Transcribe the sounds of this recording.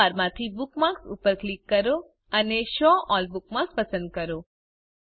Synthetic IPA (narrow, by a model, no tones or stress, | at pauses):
aɾmãt̪ʰibukmãksṵpəɾklikːəɾo | əneʃɔ̃ʔɔlbukmãkspəsə̃nd̪̚kəɾo